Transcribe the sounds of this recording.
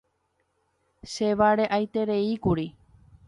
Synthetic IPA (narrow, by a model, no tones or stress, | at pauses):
ʃe̞ʋaɾe̞ʔajt̪e̞ɾe̞ikuɾi